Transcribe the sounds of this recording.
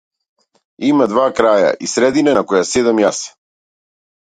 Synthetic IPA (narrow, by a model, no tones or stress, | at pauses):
imad̪vakɾaja̰ʔisɾɛd̪inanakɔjasɛd̪amjas